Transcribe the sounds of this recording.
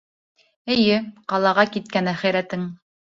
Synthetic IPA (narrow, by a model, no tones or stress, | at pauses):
ɘ̆jɘqɑlˠɑʁɑkit̪̚kænæχæjɾæt̪ɘŋ